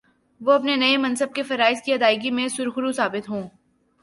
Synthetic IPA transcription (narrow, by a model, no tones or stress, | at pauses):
ʋoɐpnenɐemɐ̃nsəb̚kefɐɾaːɪzkiɐd̪aːɪɡimẽsʊɾxʊɾusaːbɪt̪ɦõː